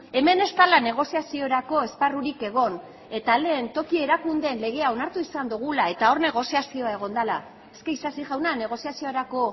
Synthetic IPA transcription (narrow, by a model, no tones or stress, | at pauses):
e̞me̞ne̞st̪alane̞ɣ̞o̞siasio̞ɾako̞e̞sparuɾike̞ɣ̞o̞n | e̞t̪ale̞ːnt̪o̞kie̞ɾakund̪e̞nle̞ɣ̞e̞ao̞naɾt̪uisand̪uɣ̞ulae̞t̪ao̞rne̞ɣ̞o̞siasio̞ae̞ɣ̞o̞nd̪ala | e̞ske̞isasiʝawnane̞ɣ̞o̞siasio̞ɾako̞